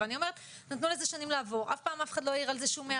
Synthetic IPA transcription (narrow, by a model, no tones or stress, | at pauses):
anio̞me̞et̪ | nat̪nuleze̞ʃanimlaavo̞ʁafpaːmafeχad̪lo̞jaiʁalze̞ʃumea